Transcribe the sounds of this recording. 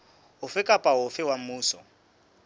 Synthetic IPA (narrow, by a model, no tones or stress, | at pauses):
ɦʊfɪkʼapʼaɦʊfɪwam̩muːsɔ